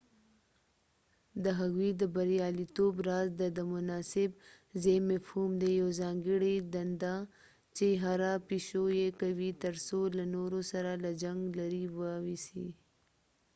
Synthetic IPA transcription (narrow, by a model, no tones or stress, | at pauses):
d̪əɦaɣwid̪əbaɾijɑlit̪obɾɑzd̪əd̪əmʊnɑsɪb | zemafhumd̪ejawzɑŋɡɪɽid̪and̪a | t͡ʃeɦaɾapiʃojekawit̪əɾsolanoɾosaɾalad͡ʒaŋɡlaɾiwəwisi